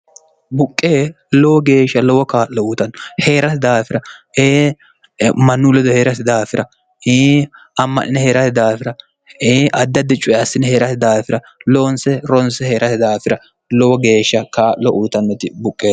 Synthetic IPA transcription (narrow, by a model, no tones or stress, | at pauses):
bʊkʼːeː | lɔwɔɡe̞ːʃːɐlɔwɔkaːlɔuːt̪ɐnːɔhe̞ːɾɐt̪ɪd̪aːfɪɾɐeː | mɐnːulɛd̪ɔhe̞ːɾɐsɪd̪aːfɪɾɐ | eː | ɐmːɐnʔɪnɛheːɾɐt̪ɪd̪aːfɪɾɐ | eːʔɐd̪ːɐd̪ɛt͡ʃʼʊʔɛɐsːɪnɛheːɾɐt̪ɪd̪aːfɪɾɐ | loːnsɛɾɔnsɛhe̞ːɾɐt̪ɪd̪aːfɪɾɐ | lɔwɔɡe̞ːʃːɐkaːʔlɔʔuːt̪ɐnːɔt̪ɪbʊkʼːeː